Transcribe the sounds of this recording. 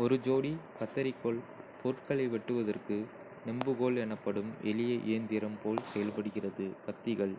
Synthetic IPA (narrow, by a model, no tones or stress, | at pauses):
ɔɾɯd͡ʒoːɽikɐt̪ːɐɾɪkːoɭ | pɔɾɯʈkɐɭɐɪʋɛʈːɯʋɐðɐrkɯ | nɛmbɯɣoːlɛnɐpːɐɽɯmʔɛ̰lɪjɐʔɪːnd̪ɪɾɐmpoːlsɛjɐlpɐɽɯɣɪrɐðɯbɐt̪ːɪɣɐɭ